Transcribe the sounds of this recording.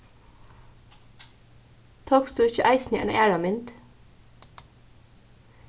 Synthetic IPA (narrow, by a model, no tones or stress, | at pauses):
t̪ʰoːksd̪ʉːɪçəʔæɪsn̩iɛ̰ːnʔeːɽɑmɪnt̪